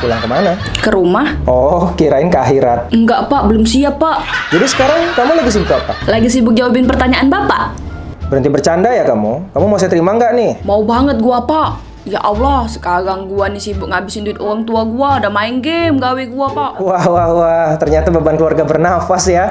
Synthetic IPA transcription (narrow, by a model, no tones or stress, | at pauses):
pulaŋkəmana | kəɾumahʔɔkiɾaɪnkaɦiɾat̪̚əŋɡaʔpaʔbəlʊmsiapːaʔd͡ʒadisə̥kaɾaŋkamulaɡis̬ibʊkapalaɪŋs̬ibʊk̚d͡ʒawabɪnpərt̪aɲaʔanbapa̰ʔ | bəɾənt̪ibərt͡ʃandajakamukamumasɛt̪əɾimaəŋɡaʔnɪhmaubaŋət̪̚ɡuapaʔ | ja̰ʔawlasə̥kaɾaŋɡuanɪsibʊk̚ŋabɪsɪnduɪt̪oɣaŋt̪uaɡuadamaɪŋɡemɡaweɡuapaʔwahwauat̪ərɲat̪ababankəluarɡabərnafasja